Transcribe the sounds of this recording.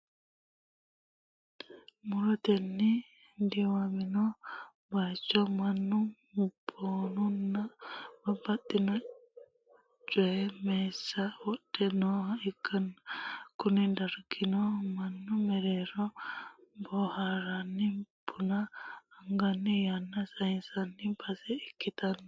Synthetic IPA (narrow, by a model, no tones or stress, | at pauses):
muɾot̪eni | ndiwamino | bat͡ʃomanu | mbonunamabatina | t͡ʃwemesawɔɗ̥ɛnɔikʰːankʊnid̪aɾɡɪnɔmanːumɛɾɛɾɔ | bɔhaɾanːibʊnaːŋɡanːijanːasɐhinsanːimpʰɐsɛikːit̪anː